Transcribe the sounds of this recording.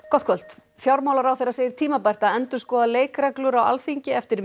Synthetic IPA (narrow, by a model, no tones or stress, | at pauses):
kɔt̪kʰvœl̥t̪ | fjawɾmawlaɾawθejɾaseːjðɪɾ̥t̪ʰiːmapajr̥t̪aɛnt̪ʏ̥skɔːðaleːjkɾɛklʏɾawa̰lθiɲcɪɛft̪ɪɾ